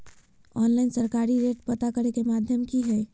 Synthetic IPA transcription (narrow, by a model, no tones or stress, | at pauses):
ɔːnlaɪnsəɾkaːɾiɾeːʈpət̪akəɾekemaːd̪ʱjəmkiɦɛː